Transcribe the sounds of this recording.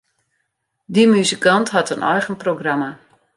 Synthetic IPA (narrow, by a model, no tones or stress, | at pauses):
dimyzəkantɦatənʔɔjχənproɡrama